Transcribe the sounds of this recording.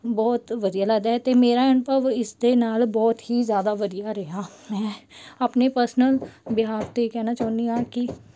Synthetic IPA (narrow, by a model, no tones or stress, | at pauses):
bɔːt̪ʋəd̪ijalaɡd̪ɦɛt̪emeːɾaɪnpəʋɪsd̪enaːlbɔːt̪ɦizjaːd̪aʋəd̪ijaɾɛɦa | mɛ̃ːɐpnepəɾsnəlbɪɦaːɾt̪ekɛːnat͡ʃaːnijaki